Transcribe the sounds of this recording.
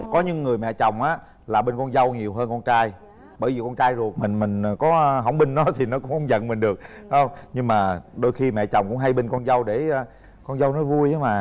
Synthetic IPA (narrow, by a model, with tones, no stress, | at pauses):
kɔ˨˦ɲɨ̰˧˦ŋːɨ˨˩əjmɛ̰˧˨t͡ɕɔ˨˩wŋ͡mʔaː˨˦ | laː˨˩ɓe˧nkɔ˧nzə˧wɲi˨˩əwɦəː˧nkɔ˧nt͡ɕaː˧j | ɓəː˧˩jvi˨˩kɔ˧nt͡ɕaː˧jzu˨˩ək̚mï˨˩ŋ̟mï˨˩ŋ̟˩kɔ˨˦˧ɦə˧˩wŋ͡mɓï˧ŋ̟nɔ˨˦t̪ʰi˨˩nɔ˨˦kʊ˧˥ŋ͡mxə˧wŋ͡mzə̰˧˨nmï˨˩ŋ̟ɗɨ˨˩ək̚ːhə˧wŋ͡mɲɨ˧ŋmaː˨˩ɗo˧jxi˧mɛ̰˧˨t͡ɕɔ˨˩wŋ͡mkʊ̰˧˥ŋ͡mɦa˧jɓe˧nkɔ˧nzə˧wɗeː˧˩˧ | kɔ˧nzə˧wnɔ˨˦vu˧əjha˨˦maː˨˩